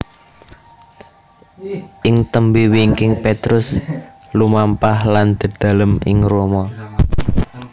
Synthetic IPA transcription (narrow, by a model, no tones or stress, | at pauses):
ʔɪŋt̪əmbiwiŋkɪŋpet̪ɾʊs | lumampahland̪̥ə̤d̪̥a̤ləmɪ̰ŋromɔ